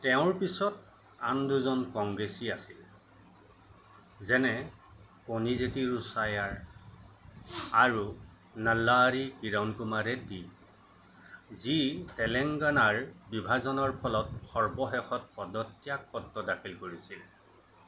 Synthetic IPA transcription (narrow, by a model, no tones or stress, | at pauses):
tɛʊ̃ɹpisɔt̚ | anduzɔnkɔŋɡɹesiasil | zɛnɛ | konizetiɹusajaɹ | aɹu | nəlːaɹikiɹawnkumaɹɛdi | zitɛlɛŋɡanaɹbibʱazɔnɔɹpʰɔlɔtxɔɹbɔxɛxʰɔt̚pɔdɔtːijak̚pɔtːɔdakʰilkoɹisil